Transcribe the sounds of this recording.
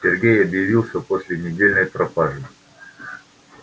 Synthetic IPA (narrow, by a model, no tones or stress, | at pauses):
sʲɪrɡʲejɐbjɪvʲilˠsʲəpo̞sʲlʲɪnʲɪdʲelʲnəjpɾɐpaʐɨ